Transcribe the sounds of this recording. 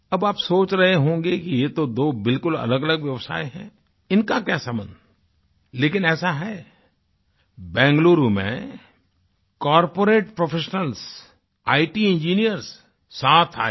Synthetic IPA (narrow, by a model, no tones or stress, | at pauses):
ɐbaːpsoːt͡ʃɾɐɦeɦõːŋɡekijet̪od̪oːbɪlkʊlɐ̰ləɡɐləɡʋjɐʋsa̰ːeɦɛ̃ː | ɪnkakjaːsɐmən | leːkɪnɛːsaɦɛː | bɛ̃ːŋɡluːɾumḛ̃ | kɔːɾpoːɾeːʈpɾofʰeːʃnəls | aːiʈiɪ̃nd͡ʒiːnijəɾsː | aːt̪ʰa̰ː